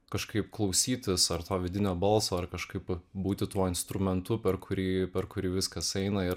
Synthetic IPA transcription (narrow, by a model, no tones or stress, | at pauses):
kɐʃkɐɪpklˠɒʊsʲiːt̪ʲɪsɐɾt̪oːʋʲɪd̪ʲɪnʲoːbɐlˠsoːɐrkɐʃkɐɪpbuːt̪ʲɪt̪uɔɪnst̪ɾʊmʲɛnt̪ʊpʲɛɾkʰʊɾʲiːpʲɛɾkʊɾʲiːʋʲɪskɐsɛɪnɐɪɾ